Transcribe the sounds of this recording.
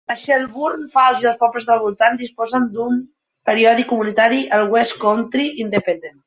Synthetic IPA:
əʃɛlˠβuɾnfalˠziəlˠspɔβləzðəlˠβulˠt̪and̪ispɔzənd̪um | pəɾiɔðikumunit̪aɾiʔəlˠɣwɛskɔnt̪ɾiind̪əpənd̪en

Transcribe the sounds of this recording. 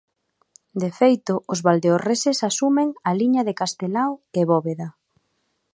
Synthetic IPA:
d̪efejt̪ʊʔʊzβald̪eoresesasumeŋaliɲɐðekast̪elaweβɔβeða

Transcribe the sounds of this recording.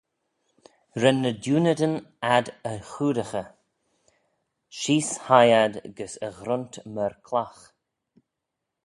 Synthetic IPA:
ɾɛnːədjuːnəd̪ənad̪əxuːɾəxə | ʃiːshajad̪ɡəsəɣɾʊntməɾkʰlax

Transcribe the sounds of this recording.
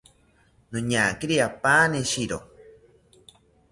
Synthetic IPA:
nõɲakiɾiapaːneʃiɾo

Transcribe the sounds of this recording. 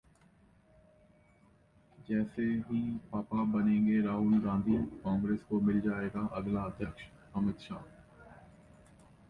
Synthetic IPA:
d͡ʒɛːseɦipaːpabɐnẽːŋɡeɾaːɦʊlɡãːnd̪ʱiːkãːŋɡɾeːskomɪld͡ʒaːeːɡaʔɐɡlaəd̪ʱjəkʃ | ɐmɪt̪ʃa̰ː

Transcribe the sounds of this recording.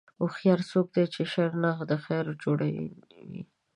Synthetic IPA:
oxjɑɾsok̚d̪et͡ʃeʃaɾnaxd̪əxaɾd͡ʒoɽa̰ | wḭ

